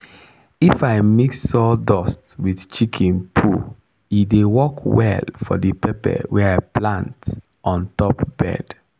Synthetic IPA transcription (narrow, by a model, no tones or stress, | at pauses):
ifaɪmiksɔdɔstwiθt͡ʃikʰɛ̃npʰu | idewɔkwɛ̰lfɔ̰dəpɛpɛ̰wɛɹaɪplãnt | ʔɔ̃ntɔpb̥ɛ̰d̥